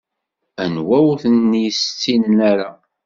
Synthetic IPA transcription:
ænwæwθənːjst͡sːinːæɾa

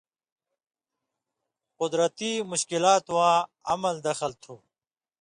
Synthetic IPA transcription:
qʊd̪ɾət̪imʊɕkilaːt̪wãːɐmɐld̪ɐxəlt̪ʰuː

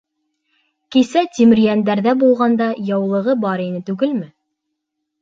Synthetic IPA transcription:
kisæt̪ʲimɘ̆ɾjænd̪æɾðæbulˠʁɑnd̪ɑjɑwlˠɤ̆ʁɤbɑɾinɘt̪ʉɡɘlmɘ

